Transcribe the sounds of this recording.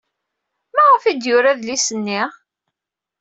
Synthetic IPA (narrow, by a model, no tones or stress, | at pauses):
mæʁəfid̪jʊɾaðlisənːiʁ